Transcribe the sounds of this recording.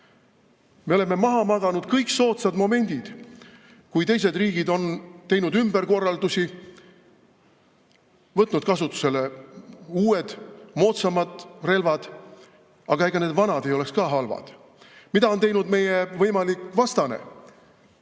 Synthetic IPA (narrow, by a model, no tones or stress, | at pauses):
meole̞mːe̞mɑɦɑmɑɡ̪̥ɑnud̪̥kɤjkso̞ːt̪sɑd̪̥mo̞me̞nʲd̪̥id̪̥ | kujt̪e̞js̬e̞d̪riːɡ̥id̪o̞nt̪e̞jnud̪ymb̥eɾko̞rːɑld̪usi | vɤt̪ːˑnud̪̚kɑsut̪ːˑu̥se̞le | uːe̞d̪̥mo̞t̪sɑmɑd̪̥re̞lvɑd̪̥ | ɑɡ̥ɑeɡɑne̞ːd̪vɑnɑd̪e̞jo̞le̞kskɑːɦɑlvɑ̰d̪̥ | mid̪ɑo̞nt̪e̞jnud̪me̞jevɤjmɑlikːˑvɑst̪ɑnḛ